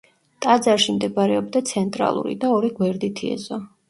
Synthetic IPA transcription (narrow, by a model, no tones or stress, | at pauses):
t̪ʼad̪zaɾʃimd̪ɛbaɾɛɔbd̪at̪sʰɛnt̪ʼɾa̰lˠṵɾḭd̪aɔɾiɡwɛɾd̪it̪ʰiɛ̰zɔ